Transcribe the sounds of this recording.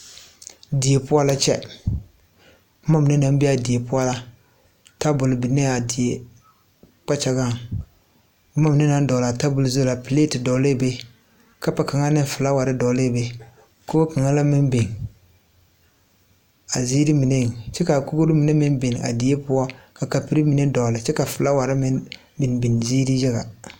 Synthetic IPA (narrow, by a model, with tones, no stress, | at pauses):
di˨e˨pʊ˦a˦la˦t͡ʃɛ̰˦ | ʊ˦ma˦mɪ˨ne˦na˨m˦bɪ˦a˨di˨e˨pʊ˦a˦la˦ | ta˦bʊ˨lɪ˨bi˨ne˦a˨di˨e˨ | k͡pa˦t͡ʃa˨ɡa˦˨ŋ | ʊ˦ma˦mɪ˨ne˦na˦n˦dɔ˨la˨ta˦bʊ˨lzo˦la˨pɪ˨le˦tɪ˨dɔ˨le˦˨be˦ | ka˦pa˨ka˨ŋa˦nɪ˦fɪ˨la˦wa˨ɾɪ˦dɔ˨le˦˨be˦ | ko˦ko˦ka˨ŋa˦la˦mɪ˦nbe˨ŋ | a˨zi˦ɾi˦mi˨ne˦˨t͡ʃɛ˦ka˨ko˦ɡo˦ɾɪ˦mi˨ne˦mɪ˦nbe˨n˨a̰˨di˨e˦pʊ˦a˦ka˨ka˨pi˨ɾi˦mi˨ne˦dɔ˨lɪ˨t͡ʃɛ˦ka˨fɪ˨la˦wa˨ɾɪ˦mɪ˦n | bɪ˨n˨bi˨n˨ziː˦ɾi˦jɛ˦ɣa̰˨